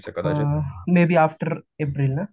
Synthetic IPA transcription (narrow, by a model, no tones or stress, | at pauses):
skɐameːbiaːfʈəɾeːpɾɪlnaː